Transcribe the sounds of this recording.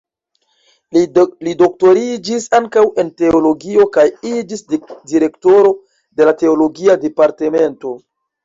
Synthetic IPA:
lido̞k̚to̞ɾid͡ʒisaŋkawe̞nte̞olo̞ɡio̞kajid͡ʒisdiɾe̞kto̞ɾo̞ | de̞late̞olo̞ɡiade̞paɾte̞me̞nto̞

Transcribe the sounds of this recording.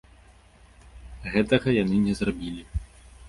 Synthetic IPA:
ɣɛt̪ɐɣɐjanɨnʲɛzrabʲilʲi

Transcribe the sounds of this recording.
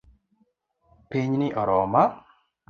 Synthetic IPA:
piɲnɪʔɔɾɔma

